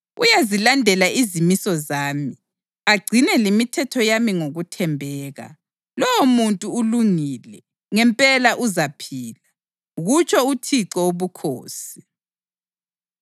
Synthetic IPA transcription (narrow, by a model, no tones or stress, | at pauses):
ṵjazilandʱɛlaʔizimisɔzaːmi | aɡ͡ǀʱinɛlimitʰɛtʰɔjamiŋoɣutʰɛmbʱɛːɣa̰ | lɔwomuntʼuːluŋilɛ | ŋɛmpʼɛlaʔuzapʰiːla | ɣut͡ʃʰʼɔutʰiǀɔoβukʰo̰ːsi̥